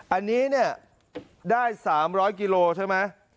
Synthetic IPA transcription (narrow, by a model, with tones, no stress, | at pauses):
ʔa˧nːiː˦˥ni˥˩ɐ | daː˥˩jsaː˩˦mɾɔː˦˥jkiː˧loː˧t͡ɕʰa˥˩jma˦˥j